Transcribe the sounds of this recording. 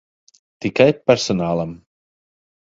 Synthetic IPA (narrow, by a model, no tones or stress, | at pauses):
t̪ikajpɛɾsɔnaːlˠam